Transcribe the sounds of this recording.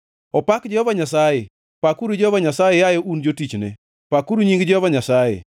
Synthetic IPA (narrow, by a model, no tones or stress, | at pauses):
ɔpakd͡ʒɛhɔvaɲasaje | pakuɾud͡ʒɛɔvaɲasajejajɔʔund͡ʒotit͡ʃnɛ̰ | pakuɾuɲiŋɡd͡ʒɛovaɲasajḛ